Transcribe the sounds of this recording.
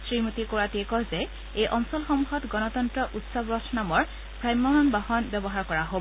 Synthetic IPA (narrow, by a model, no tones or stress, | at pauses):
sɹimutikoɹatiɛkɔzɛ | ejʔɔŋsɔlxɔmuxɔtɡɔnɔtɔntɹɔʔutsɔbɹɔtʰnamɔɹ | pʰɹajmːɔmanbaɦɔnbɛbɔɦaɹkɔɹaɦo